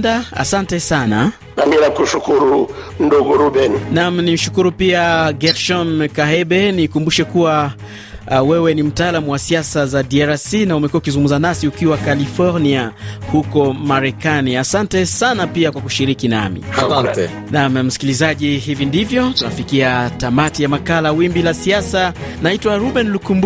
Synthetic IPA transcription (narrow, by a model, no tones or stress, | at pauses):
daa̰santɛsana | namiɾakuʃukuɾu | m̩nduɡuɾubɛninam̩nim̩ʃukuɾupiaɡɛɾʃɔnkaɦɛbɛnikumbuʃɛkuwa | wɛwɛnim̩taalamuwasiasazadiaɾasinaumɛkuaukizuŋɡum̩zanasiukiwakalifɔɾniahukɔmaɾɛkaniasantɛsanapiakwakuʃiɾikina̰mḭat | namm̩si̥kilizaʄihivindivjɔtunafikiatamatijamakalawimbilasiasanaitwaɾubɛnlukumb